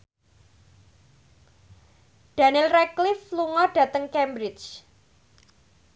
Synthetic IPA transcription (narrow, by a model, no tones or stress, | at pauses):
d̥a̤nɪlrɛklɪfluŋɔɖ̥ä̤t̪əŋkɛmbɾɪt͡ʃ